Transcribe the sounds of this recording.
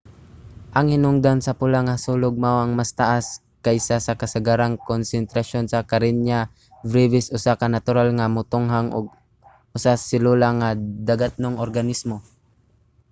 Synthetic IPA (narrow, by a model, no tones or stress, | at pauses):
ʔɐŋhɪnʊŋd̪ansɐpʊlaŋasuːlʊɡ̚mawɐŋmast̪aʔas | kajsasakɐsaɡaɾaŋkonsɛnt̪ɾaʃonsakaɾɪnja | vɾivɪsʔʊsakanat̪ʊɾalŋamʊt̪ʊŋɦaŋʔʊ̰ɡ̚ | ʔʊsasɪlulaŋad̪aɡat̪̚noŋoɾɡanismo